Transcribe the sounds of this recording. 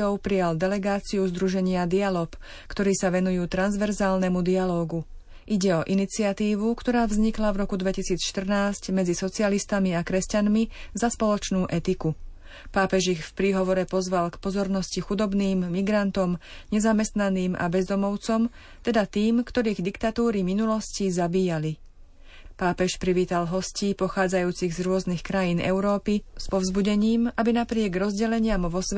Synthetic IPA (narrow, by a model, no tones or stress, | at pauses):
ɔʊpɾijald̪ɛlɛɡaːt͡siuzd̪ɾuʒɛɲɪad̪ialɔːk | kt̪ɔɾiːsaʋɛnujuːt̪ɾanzʋɛɾzaːlnɛmud̪ialɔːɡu | ʔiɟɛɔʔinit͡siat̪iːʋukt̪ɔɾaːvzɲiklavɾɔkud̪ʋɛcisiːt͡sʃt̪r̩naːscmɛd͡zisɔt͡sɪalist̪amiakɾɛscanmizaspɔlɔt͡ʃnuːʔɛt̪iku | paːpɛʒixfpɾiːɦɔʋɔɾɛpɔzʋalkpɔzɔɾnɔscixud̪ɔbniːmːiɡɾant̪ɔmɲɛzamɛst̪naniːmʔa̰bɛzd̪ɔmɔʊt͡sɔm | t̪ɛd̪at̪iːmkt̪ɔɾiːɣd̪ikt̪at̪uːɾiminulɔscizabiːjali | paːpɛʃpɾiʋiːt̪alɦɔsciːpɔxaːd͡zajuːt͡siɣzɾʊɔznixkɾajiːnʔɛ̰ʊɾɔːpispɔʊzbuɟɛɲiːmabinapɾɪɛɡɾɔzɟɛlɛɲɪamʋɔs